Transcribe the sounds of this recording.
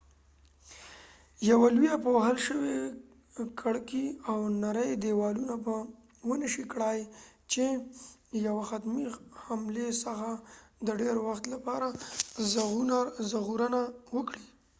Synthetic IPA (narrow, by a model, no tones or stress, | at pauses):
jawalujapəwaɦalʃəwe | kʰaɽkiawnaɾəjd̪ewɑlunapə | wənəʃikɽajt͡ʃe | jawaxat̪mihamlesəxad̪əɖeɾwaxt̪lapɑɾazɣunazəɣuɾənawəkɽi